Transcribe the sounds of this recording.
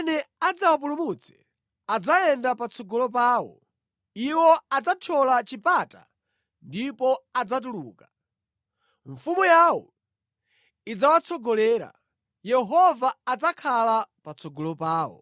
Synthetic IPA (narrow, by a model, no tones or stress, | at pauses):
nɛad͡zawap̬ulumut͡sʰɛ̥ | ad͡zaɛndapat͡sʰɔɡɔlɔp̬aːwɔ̰ | iwɔad͡zatʰɔlat͡ʃipata̰ | ndipɔad͡zat̬uluːka | ɱfumujawɔ | id͡zawat͡sʰɔɡɔlɛːɾa̰ | jɛɦɔvaːd͡zakʰalapat͡sʰɔɡɔlɔpaːwɔ̰